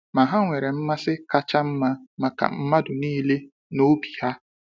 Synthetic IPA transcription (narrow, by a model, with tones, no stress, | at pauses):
ma˨ɦa˦ŋʷe˨ɾe˨m̩˦ma˦sɪ˦ka˦t͡ʃa˦m̩˦ma˦ma˨ka̰˨m̩˦ma˦dʊ˨niː˦le˦ | no˦bi˨ha˦